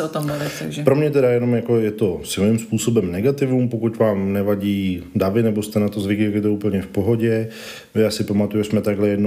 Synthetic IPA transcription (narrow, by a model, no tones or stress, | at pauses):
ot̪omlʊvɪt̪aɡʒɛpɾo̞mɲɛt̪̬ɛɾajɛno̞mjako̞jɛt̪o̞sɪlnɪmspuːso̞bɛmnɛɡat̪ɪvumpokut̪vaːmnɛvaɟiːdavɪnɛbo̞st̪ɛnat̪o̞zvɪklɪkɪt̪ouːpl̩ɲɛfpo̞ɦo̞ɟɛ | jaːsɪpamat̪ujuʒɛsmɛt̪aɡɦlɛjɛdno